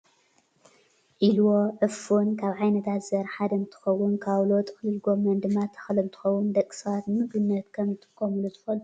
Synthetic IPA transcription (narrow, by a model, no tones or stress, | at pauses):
ʔilwoʕɨfunkʰaβʕajnɐt̪ʰat̪zɐɾħad̪ɐnt̪ʰɨ̥xɐwːʊnkʰawlot̪ʼɨxliɡo̞mɐnd̪ɨmːat̪ʰɐ̥xlɐmt̪ʰɨ̥xɐwːʊnd̪ɐkʼːɨ̥sɐβat̪mɨɡɨnːɐt̪kʰɐmzɨt̪ʰɨ̥kʰːomɨlut̪ʰɨfɐlu